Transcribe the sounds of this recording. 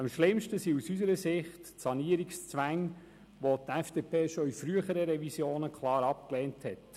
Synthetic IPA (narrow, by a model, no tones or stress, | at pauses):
ɑmʃlɪmʃtəsiusysəɾəsɪχtsɑniəɾikst͡sʋæŋ | ʋotɛfd̥epʰeːʃoifɾyəχəɾəɾɛvisjoːnəkʰlˠɑːɾɑp̚klɛːnthɛt